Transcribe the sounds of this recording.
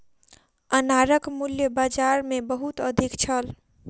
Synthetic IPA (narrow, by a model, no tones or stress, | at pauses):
ənaɾəkmuljəbad͡ʒaɾmebəɦut̪əd̪ʱikt͡ʃʰəl